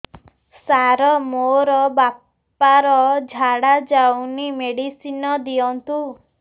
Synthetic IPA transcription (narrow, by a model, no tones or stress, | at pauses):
saɾɔmoɾɔbap | aɾɔd͡ʒʱaɽad͡ʒawnimeɽisinɔd̪iɔnt̪u